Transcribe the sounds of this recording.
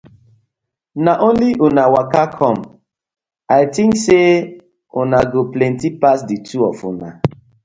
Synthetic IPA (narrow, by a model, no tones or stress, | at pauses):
naʔonliʔʊnawakakʰɔm | ajtĩŋkse | ʊnaɡoplɛntipasdituɔ̰fʊ̰na̰